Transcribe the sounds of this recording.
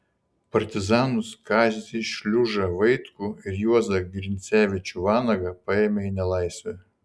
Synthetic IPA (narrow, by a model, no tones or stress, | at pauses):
pɐɾʲt̪ʲɪzɑːnʊskɑːzʲzʲiʃʲlʲʊʒɐʋɐɪt̪kʊɪɾjuɔzɐɡɾʲɪnʲt̪sʲæːʋʲɪt͡ʃʲuʋɑːnɐɡɐpɑeːmʲeɪnʲɛlˠɐɪsʲʋʲɛ